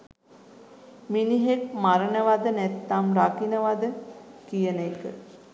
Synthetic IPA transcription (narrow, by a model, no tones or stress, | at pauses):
miniɦek̚maɾənəʋad̪ənɛt̪ːamrakinəʋad̪əkijənekə